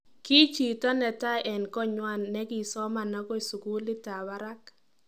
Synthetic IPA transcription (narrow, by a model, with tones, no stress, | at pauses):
ki˦t͡ʃi˨tɔ˦nɛ˨ta˦ʔɛ˨nkɔ˦ɲwa˦˨nːɛ˦ki˨sɔ˦ma˨na˦kɔ˦i˨su˨ku˦lɪ˦ta˨ba˦ɾa˦k